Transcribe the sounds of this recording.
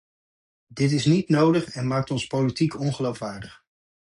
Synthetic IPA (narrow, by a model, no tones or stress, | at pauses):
dɪtɪsnitnowdəχɛnmaːk̚tɔnspowlitikɔnχəlowfʋaːɹdəχ